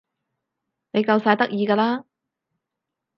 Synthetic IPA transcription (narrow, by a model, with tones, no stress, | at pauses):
ne˨˧jkɐ˧wsaː˧jt̪ɐ˥k̚jiː˧kɐː˧laː˥